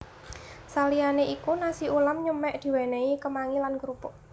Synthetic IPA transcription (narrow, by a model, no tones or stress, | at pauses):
salianeʔikunasiulamɲəmɛʔd̪̥i̤weneikəmaŋilanɡɾupɔ